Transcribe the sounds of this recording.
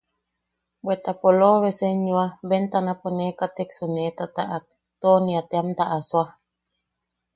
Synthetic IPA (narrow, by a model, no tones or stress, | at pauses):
bwet̪apoloβeseɲuaβent̪anaponekat̪eksunet̪at̪aʔak̚ | t̪oniat̪eamt̪aʔaswa